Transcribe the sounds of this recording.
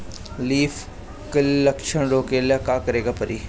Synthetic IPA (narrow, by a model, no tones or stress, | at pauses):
liːfʰ | kələkʃəɳɾoːkeːlekaːkəɾeːɡaːpəɾiː